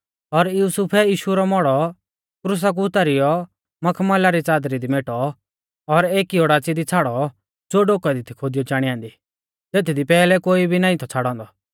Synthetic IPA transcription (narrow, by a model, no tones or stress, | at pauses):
ɔɾjuːsʊpʰɛjiːʃuɾɔmɔɽɔ | kɾus̬ak̬uʊt̪aɾijɔ | mɐkʰmɐlaɾit͡saːd̪ɾid̪imeːʈɔ | ɔɾeːkioɽaːt͡sid̪it͡sʰaːɽɔ | d͡zoːɖoːkad̪it̪ʰikʰod̪ɪjɔd͡ʒaːɽ̃iãːnd̪i | t̪eːt̪ʰid̪ipɛːlɛkoːibʱinãːĩt̪ʰɔt͡sʰaɽɔ̃ːnd̪ɔ